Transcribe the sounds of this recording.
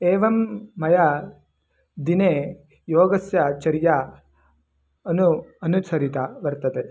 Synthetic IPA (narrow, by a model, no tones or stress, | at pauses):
eːʋɐmːɐjɐ | d̪ineː | joːɡɐsjɐt͡ʃɐɾja | ɐnuɐnusɐɾit̪ɐʋɐɾt̪ɐt̪eː